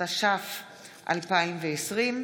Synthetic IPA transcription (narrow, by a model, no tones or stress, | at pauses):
aʃaf | ʔa̰lpaimveesʁim